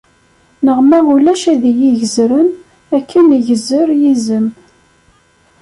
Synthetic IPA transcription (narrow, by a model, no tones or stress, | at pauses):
nəʁmæʁulæʃæðijiʝəzɾən | ækʰːənʝəzəɾjizəm